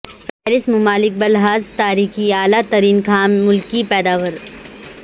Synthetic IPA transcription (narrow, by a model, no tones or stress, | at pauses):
fɛːɾɪsmʊmaːlɪk̚bɐlɦaːzt̪aːɾiːxiaːlat̪ɐɾiːnkʰaːmːʊlkipɛːd̪aːʋəɾ